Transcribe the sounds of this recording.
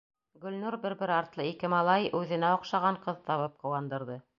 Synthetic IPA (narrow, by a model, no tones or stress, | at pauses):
ɡɵ̆lnuɾbɘ̆ɾbɘɾɑɾt̪lˠɤikɘmɑlˠɑjʉðɘ̆næoqʃɑʁɑɴqɤðt̪ɑβɤp̚qɤ̆wɑnd̪ɤ̆ɾðɤ